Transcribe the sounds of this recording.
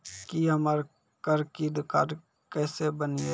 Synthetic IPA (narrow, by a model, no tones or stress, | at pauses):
kiɦəməɾ | kəɾkid̪ɪkaːɾ | kɛːsebənie